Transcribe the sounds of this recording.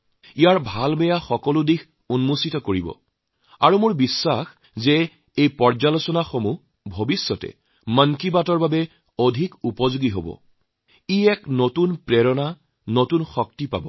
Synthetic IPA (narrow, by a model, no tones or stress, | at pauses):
ijaɹbʱalbɛjaxɔkɔlʊdix | unmusitɔkoɹibɔ̰ | aɹumʊɹbisːax | zɛ | ejpɔɹzalosɔnaxomu | bʱobisːɔtɛ̰ | məŋkibatɔɹbabɛ | odʱikupɔzuɡiɦobɔ̰ | iɛknotunpɹɛɹɔna | notunxɔk̚tipa̰bɔ